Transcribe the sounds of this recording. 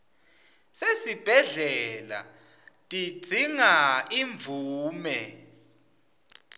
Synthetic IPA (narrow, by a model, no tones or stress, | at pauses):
sesib̥ʱɛɮɛla̰ | tʼi̥d͡z̥ʱiŋaiɱvuːmɛ